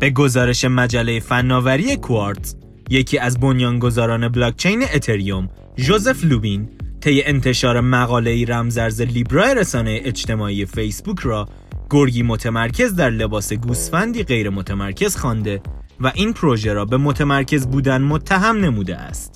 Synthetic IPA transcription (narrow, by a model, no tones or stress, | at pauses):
b̥e̞ɡo̞zɒːɾe̞ʃe̞mæd͡ʒælːe̞jefænːɒːvæɾijekʰoɒɾt̪ʰ | jecʰiːæzbo̞njɒːnɡo̞zɒːɾɒːne̞blɒːk̚t͡ʃʰe̞jne̞ʔːt̪ʰe̞ɾijom | ʒo̞ze̞fluːbint̪ʰe̞je̞ʔent̪ʰe̞ʃɒːɾe̞mæɣɒːle̞iɾæmzæɾzeliːbɾɒːeɾesɒːnejeʔet͡ʃt̪ʰe̞mɒːiːjefe̞jsbuːcʰrɒː | ɡ̥oɾɡiːmo̞t̪ʰemæɾcʰe̞zd̪æɾle̞bɒːse̞ɡuːst̪fænd̪iːɣe̞jɾemo̞t̪ʰemæɾcʰe̞z̥xɒːnd̪e̞ | væʔiːnpʰɾo̞ʒe̞ɾɒːbe̞mo̞t̪ʰemæɾcʰe̞zbuːd̪ænmo̞t̪ʰːæɦæmne̞muːd̪ḛʔæ̰st̪